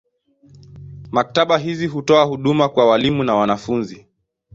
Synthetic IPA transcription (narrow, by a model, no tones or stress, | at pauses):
mak̚taɓaɦiziɦutɔahuɗumakwawalimunawanafunzi